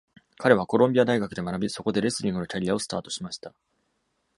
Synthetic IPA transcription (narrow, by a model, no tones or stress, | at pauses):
kaɾe̞β̞ako̞ɾõ̞mbʲiad̪aiɡakɯ̟d̪e̞manabʲiso̞ko̞d̪e̞ɾe̞sɨɾʲĩŋɡɯ̟no̞kʲaɾʲiao̞sɨ̥t̪aːt̪o̞ɕimaɕi̥t̪a